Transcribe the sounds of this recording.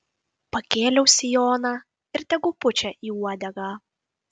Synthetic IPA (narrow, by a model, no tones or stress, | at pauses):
pɐkʲeːlʲɛʊsʲɪjoːnɑː | ɪɾt̪ʲɛɡʊpʊt͡ʃʲɛʔiːuɔd̪ʲɛɡɑː